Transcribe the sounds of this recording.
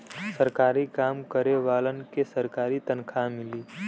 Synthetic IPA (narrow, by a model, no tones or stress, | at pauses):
səɾkaːɾikaːmkəɾeʋaːlənkesəɾkaːɾit̪ənkʰamɪliː